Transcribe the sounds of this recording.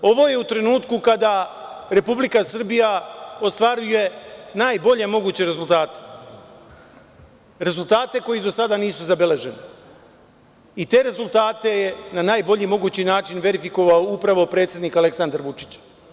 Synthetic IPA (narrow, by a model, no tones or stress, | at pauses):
o̞ʋo̞je̞ut̪ɾe̞nuːt̪kukad̪aɾe̞publikasɨr̩bijao̞st̪ʋaɾuje̞naːjbo̞ʎe̞mo̞ɡuːt͡ɕe̞ɾe̞zulˠt̪aːt̪e̥ | ɾe̞zult̪aːt̪e̞ko̞jid̪o̞sad̪aniːsuzabe̞le̞ʒe̞ne | it̪e̞ɾe̞zulˠt̪aːt̪e̞jenanaːjbo̞ʎimo̞ɡuːt͡ɕinaːt͡ʃinʋe̞ɾifiko̞ʋaoupɾaʋo̞pɾe̞ːt̪sʲed̪niːkale̞ksand̪aɾʋut͡ʃi̥t͡ɕ